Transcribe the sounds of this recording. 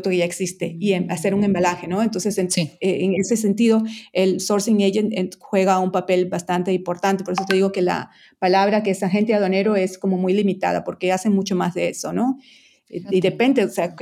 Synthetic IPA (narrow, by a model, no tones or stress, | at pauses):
t̪okeʝaeksist̪e̞̰iease̞ɾuŋe̞mbalaxe̞no̞ent̪o̞nseseneeŋses̬e̞nt̪iðo̞elsoɾsiŋeʝenexwe̞ɣaumpape̞lbast̪ant̪eimpo̞ɾt̪ant̪e̞poɾes̬ot̪e̞ðiɣoke̞la̰ | palaβɾakeesaxe̞nt̪eaðoane̞ɾo̞e̞sko̞mo̞mujlimit̪a̰ða̰po̞ɾke̞ase̞mut͡ʃo̞mazðe̞eso̞no̞ | iðe̞pe̞nd̪eosea